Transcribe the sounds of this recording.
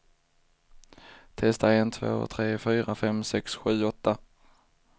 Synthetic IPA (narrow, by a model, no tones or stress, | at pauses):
t̪ʰɛst̪aent̪ʰvo̰ːt̪ʰɾeːfyːɾafɛmsɛksɧʉ̟ːɔt̪ːa